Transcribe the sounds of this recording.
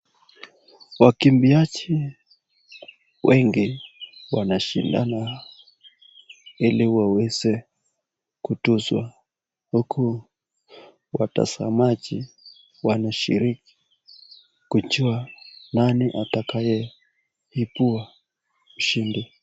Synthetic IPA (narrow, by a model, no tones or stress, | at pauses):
wakimbiat͡ʃi | wʔɛŋɡiwanaʃinda̰na | iliwawɛzɛ | kutuzwa | hukʰu | wata̰sa̰mat͡ʃi | wanaʃḭɾiki̥ | kut͡ʃuananiʔatakajɛ | hipua | uʃindi